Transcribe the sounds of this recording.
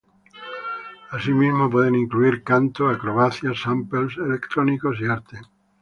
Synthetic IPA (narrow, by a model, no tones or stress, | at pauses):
asimizmop̬weðenĩŋkluiɾkant̪oakɾoβaθjasampelselekt̪ɾonikosiaɾt̪e